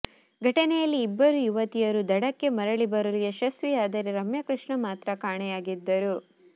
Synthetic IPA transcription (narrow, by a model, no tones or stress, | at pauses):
ɡʱɐʈɐnɛjɐlːiːbːɐɾujuʋɐt̪ijɐɾud̪ɐɽɐkːe̞mɐɾɐɭibɐɾɐlijɐʃɐsʋijaːd̪ɐɾeɾɐmjɐkɾuʂɳɐmaːt̪ɾɐkaːɳɛjaːɡid̪ːɐɾu